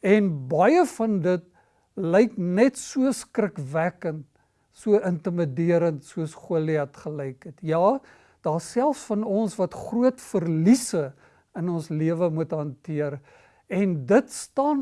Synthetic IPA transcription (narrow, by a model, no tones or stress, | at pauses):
ɛnbɐjəfɐndət̚ | ləjknɛtsuəskrəkvækənt | suəʔəntəmədiəɾəntsuəsχuəliɦɐtχələjkɦɛtjɑː | d̥ɑːsælˠfsfɐnɔnsvɐtχruətfərlisə | ənɔnsliəvəmutɦɐntiər | ɛndətstɑːn